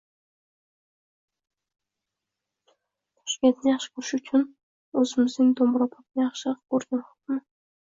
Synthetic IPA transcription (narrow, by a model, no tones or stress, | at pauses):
t̪ʰɒ̥ʃkʲe̞nt̪ʰnɪjɑχʃɪ̥kʰʊʃɪkʰʊn | ɵzɪmɪznɪŋd̪ombɾɑpʰɒt̪̚nɪjɑχʃɪkʰɵɾɡʲanχʊ̥qmɪ